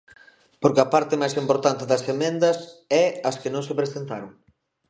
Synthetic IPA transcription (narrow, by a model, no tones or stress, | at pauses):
poɾkɪɐpaɾt̪ɪmajsimpoɾt̪ant̪ɪðɐsemẽnd̪ɐsɛɐskɪnõŋsepɾesent̪aɾoŋ